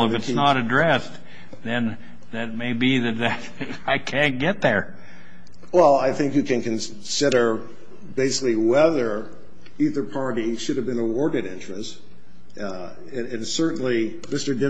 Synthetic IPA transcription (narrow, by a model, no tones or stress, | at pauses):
əfɨtsnəɾɨdɹɛs | ðɨ̃n | ðɨt̚meɪbiðɨt̪̚ðɨt | aɪkʰæ̃nɡ̥ɛt̪̚ðə˞ | wɛlˠaɪθɪ̃ŋkjɨkɨ̃nkɨ̃n | sɪɾə˞ | beɪsɪ̥kliwɛðə˞ | iðə˞pʰɑɹɾiʃʊɾɨvbɨ̃nəwɔɹɾɨɾɪ̰̃nt͡ʃɹ̥ɨst | ɨ̃nsɜ˞ʔn̩li | mɪstə˞dɪ